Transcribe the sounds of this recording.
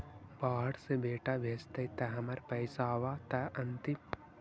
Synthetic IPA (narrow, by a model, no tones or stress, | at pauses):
baːɦɐɽsebeːʈaʋʱeːst̪ɐit̪ɛɦɐmɐɾpɐɪsaːʋaːt̪ɛʔɐnt̪im